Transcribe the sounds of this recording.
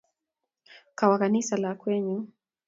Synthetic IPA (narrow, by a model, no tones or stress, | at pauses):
kawakanisalakwɛɲu